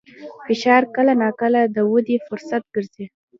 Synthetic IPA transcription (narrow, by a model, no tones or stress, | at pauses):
fɪʃɑɾkəlanɑkəlad̪əwəd̪efʊɾsat̪̚ɡəɾzi